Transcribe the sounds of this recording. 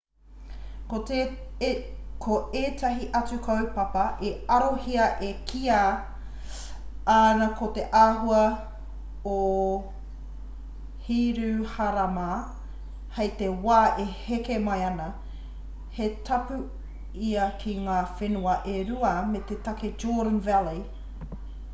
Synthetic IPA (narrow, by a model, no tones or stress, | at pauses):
kote | kʰoeːtʰɐɦiʔɐt͡sukʰɐwpɐpɐʔeɐɾohiɐʔekʰia | aːnɐkot̪eʔaːɦuɐ | o | hiːɾʉhɐɾɐma | hɐjt̪ewaːʔehekemɐjɐnɐ | hetʰɐpʉ | iɐkʰiŋaːfenuɐʔeɾuɐmet̪etɐked͡ʒoːɾənvæli